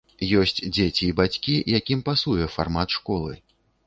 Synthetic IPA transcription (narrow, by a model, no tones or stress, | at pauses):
jɔsʲt͡sʲd͡zʲet͡sʲiːbat͡sʲkʲijakʲimpasujɛfa̰rmat̪ʂkɔlˠɨ̰